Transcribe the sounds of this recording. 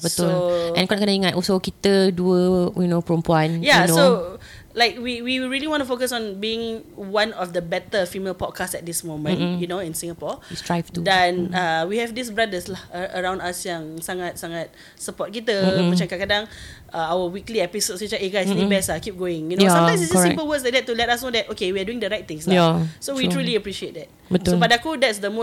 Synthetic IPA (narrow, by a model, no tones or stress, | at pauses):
bətʊlʔɛ̃nkonaʔkənaiŋat̚ɔsokit̪əduəjunopəɾumpuãnjanoso | laɪk̚wiwiɹiliwɔ̃ntufokəsɔ̃nbiɪ̃ŋwãnɔfdəbɛt̪əfimelpɔd̚kʰastsɛt̚dismõmə̃njunoĩnsĩŋapɔstɹajvtudɛ̃nawihɛvdisbɹadəslahəəɹãw̃ndasjãŋsaŋat̚saŋat̚ | səpɔt̚kitəmãt͡ʃãmkakadãŋ | aawəwikliɛpisod̚sit͡ʃaʔeɡajsnẽbɛsakip̚ɡoɪ̃ŋjunosãmtãj̃msissɛimpəwəsladɛt̚tːulɛtasnodɛt̚ʔokewiaduɪ̃ĩŋdəɹajt̚t̪ɪ̃ŋsnasowitɹuliəpɹiʃiet̚dɛt̚bətsopadakudɛtsdəmo